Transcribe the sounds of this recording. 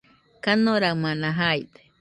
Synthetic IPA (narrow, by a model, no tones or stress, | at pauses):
kanoɾamãnãɦajd̪e̥